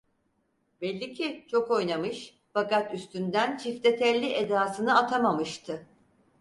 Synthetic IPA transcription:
bɛlʲːicʰit͡ʃʰo̞ko̞jnamɯʃ | fakat̪yst̪ynd̪ænt͡ʃʰift̪et̪ʰɛlʲiʔed̪aːsɯnɯat̪ʰamamɯʃt̪ʰɯ

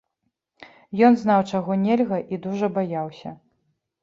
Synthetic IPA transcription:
jɔnznawt͡ʂaɣɔnʲelʲɣɐʔid̪uʐɐbajawsʲɐ̰

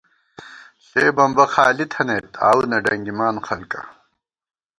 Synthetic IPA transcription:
ɬeːbɐmbɐxaːlit̪ʰɐneːt̪ʰa̰ːwnɐɖɐŋɡimaːnxɐlkɐ̰

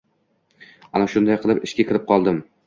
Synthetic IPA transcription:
anaʃʊnd̪ajqʰɨlˠɪpɪ̰ʃkʲakʲɪɾɪp̚qʰɒlˠd̪ɪm

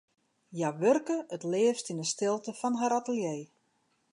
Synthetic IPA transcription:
jaʋørkəətlɪːəfstinəstɪlˠtəfɔnɦaɾatəljej

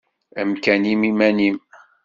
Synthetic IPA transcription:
əmkænimimænim

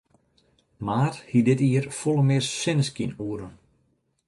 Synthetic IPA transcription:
maːrhidɪtiːərfulˠəmɪrsɪnəskinuəɾən

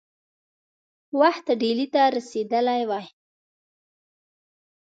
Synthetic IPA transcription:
waxt̪ɖelit̪aɾased̪əlajwaj

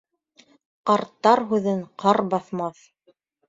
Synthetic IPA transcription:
qɑɾt̪ːɑɾɦʉðɘɴqʰɑɾbɑθmɑθ

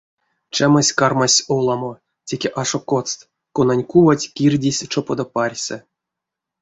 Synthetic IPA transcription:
t͡ʃamasʲkarmasʲolˠamo | tʲekʲeʔaʂokot͡st̪ | konanʲkuvatʲkʲirʲdʲisʲt͡ʃopod̪oparʲsʲɛ

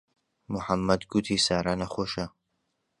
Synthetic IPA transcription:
mʊħamːɐd̪ɡut̪ʰiːsaːɾaːnɐxoːʃɐ

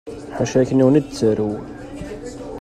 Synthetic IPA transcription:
ħaʃæçəniwənid̪̚t͡sːəɾu

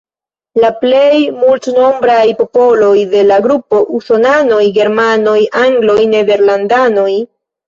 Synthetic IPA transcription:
laple̞jmultno̞mbɾajpo̞po̞lo̞jde̞laɡɾupo̞ʔuso̞nano̞jɡe̞ɾmano̞jʔaŋɡlo̞jne̞ve̞ɾlandano̞j

